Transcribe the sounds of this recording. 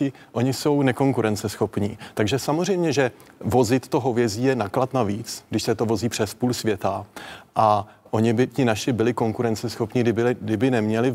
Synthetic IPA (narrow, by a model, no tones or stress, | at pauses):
ɪ | ʔo̞ɲɪso̞wnɛko̞ŋkuɾɛnt͡sɛsxo̞pɲiːt̪aɡʒɛsamorɛjmɲɛʒɛ | vo̞zɪt̪t̪ːo̞ɦo̞vjɛziːjɛnaklat̪naviːt͡sɡdɪʃsɛt̪o̞vo̞ziːpr̥ɛspuːlsvjɛt̪aʔaʔo̞ɲɪbɪcɪnaʃɪbɪlɪko̞ŋkuɾɛnt͡sɛsxo̞pɲɪdɪbɪlɪdɪbɪnɛmɲɛlɪ